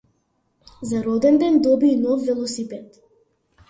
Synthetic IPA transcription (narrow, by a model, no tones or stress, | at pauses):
zaɾɔd̪ɛnd̪ɛnd̪ɔbiːnɔfːɛlˠɔsipɛt̪